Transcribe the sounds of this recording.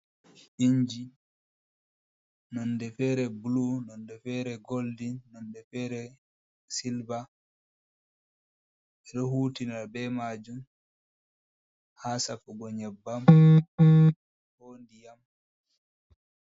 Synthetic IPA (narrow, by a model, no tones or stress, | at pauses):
ʔiɲd͡ʒi | nɔndɛfɛɾɛbulunɔndɛfɛːɾɛɡoldinɔndɛfɛːɾɛ | silba | ɛɗɔhuːtinabɛmad͡ʒum | haːsafuɡɔɲɛbːam | hoːndijam